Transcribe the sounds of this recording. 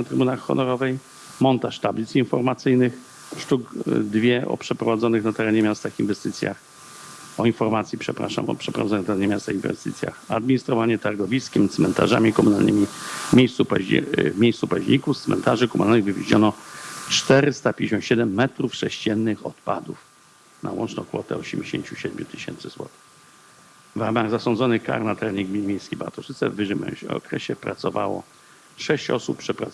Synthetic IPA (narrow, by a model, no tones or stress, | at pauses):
t̪ɾɘbunaxːɔ̰nɔɾɔvɛj | mɔnt̪aʂt̪ablʲit̪sinfɔɾmat̪sɘjnɘx | ʂt̪ukd̪vʲjɛʔɔ̰pʂɛpɾɔvad̪zɔnɘxnat̪ɛɾɛɲɛmʲjast̪afinvɛst̪ɘt̪sʲja̰x | ɔinfɔɾmat̪sʲjipʂɛpɾa̰ʂa̰mɔ̰pʂɛpɾɔvazɔnt̪ɛɾɛɲɛmʲjast̪ainvɛ̰st̪ɘ̰t̪sʲja̰xad̪̚mʲiɲist̪ɾɔvaɲɛt̪aɾɡɔvʲiskʲɛmt̪smɛnt̪a̰ʐa̰mʲikɔmunalnɘ̰mʲimʲejst̪supa̰vmʲjejst̪supaʑɲikuft̪smɛ̰nt̪aʐɘkɔmʔalnɨɣvɘvʲḛʑɲɔnɔt͡ʂt̪ɛɾɘst̪apʲjd͡ʑʲeɕɔ̃nt̪ɕɛd̪ɛmːɛt̪ɾufʂɛɕt͡ɕɛnːɘxɔt̪pad̪uf | nʔa̰wɔnt͡ʂnɔ̃w̃kfɔt̪ɛ̰ɔɕɛmʲd͡ʑeɕeɲt͡ɕuɕɛd̪mʲjut̪ɘɕɛnt̪sɘzwɔ̰t̪ | vɾamaɣzasɔnd̪zɔnɘka̰ɾnat̪ɾɛɲɛɡmʲiɲnimʲejskʲejba̰t̪ɔʂɘt̪sɛvːɘʂɘmɛ̰ɔ̰kɾɛɕɛpɾat̪sɔvawɔ̰ | ʂɛɕt͡ɕɔsupːpʂɛpɾa